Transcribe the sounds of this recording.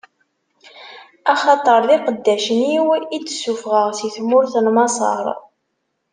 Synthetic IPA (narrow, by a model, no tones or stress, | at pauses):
ɑχɑt̪ˤəɾˤðiqəd̪ːæʃəniwit͡sːsːufʁəʁsiθmʊɾθnmɑsˤɑ̰ɾˤ